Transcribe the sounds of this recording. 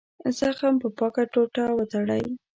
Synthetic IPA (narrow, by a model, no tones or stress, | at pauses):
zaxampəpɑkaʈoʈawət̪aɽaj